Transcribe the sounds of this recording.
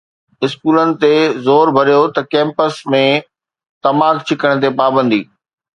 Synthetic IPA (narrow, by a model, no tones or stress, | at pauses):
ɪskuːlənɪ̆t̪ezoːɾbʱɐɾijot̪ɐkɛ̃ːmpəsmẽ | t̪ɐmaːkt͡ɕʰɪkəɽ̃t̪̬epaːbə̃nd̪iː